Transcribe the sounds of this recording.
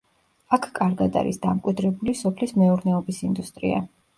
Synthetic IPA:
akʰkʼaɾɡad̪a̰ɾḭsd̪amkʼwid̪ɾɛbulisɔpʰlismɛuɾnɛɔbisind̪ust̪ʼɾḭa̰

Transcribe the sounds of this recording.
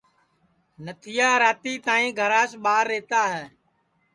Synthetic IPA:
nət̪ʰɪjaːɾaːt̪iːt̪ãːĩːɡʱəɾaːʃɓaːɾːeːt̪aːɦɛː

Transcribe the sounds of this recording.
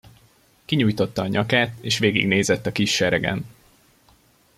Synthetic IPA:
kiɲuːjt̪o̞t̪ːɒːɲɒkaːt̪eːʃʋeːɡḭɡneːzɛt̪ːɒkiʃːɛɾɛɡɛ̰n

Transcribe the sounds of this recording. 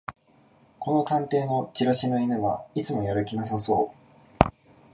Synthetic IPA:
ko̞no̞kãnt̪e̞ːno̞t͡ɕiɾaɕimɯinɯβait͡sɨmo̞jaɾɯ̟kʲinasaso̞̰ː

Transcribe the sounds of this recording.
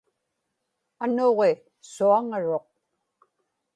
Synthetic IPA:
anoʁe | suaŋaɻo̞q̚

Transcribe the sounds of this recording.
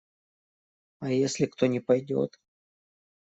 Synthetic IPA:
ɐjesʲlʲɪkt̪onʲɪpɐjdʲo̞̰t̪

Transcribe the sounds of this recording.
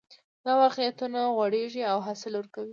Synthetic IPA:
d̪̥awɑqjat̪unaɣwaɽeʒiawɦasɪlwəɾkawi

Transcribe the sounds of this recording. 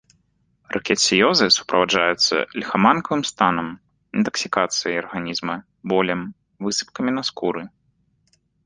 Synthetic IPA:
rʔɐkʲɛt̪sʲijɔzɨsu̥pɾɐvaʐajut̪sːɐ̰lʲxamankɐvɨmst̪anɐm | int̪ɐksʲikat̪sɨjɐjɐrɣanʲizmɐ | bɔlʲɐm | vɨsɨ̥p̚kɐmʲinɐskuɾɨ

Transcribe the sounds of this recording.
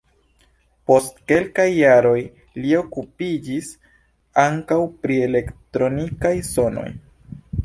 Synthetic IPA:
po̞stke̞lkajːaɾo̞j | lio̞kupid͡ʒis | aŋkawpɾie̞le̞ktɾo̞nikajso̞no̰j

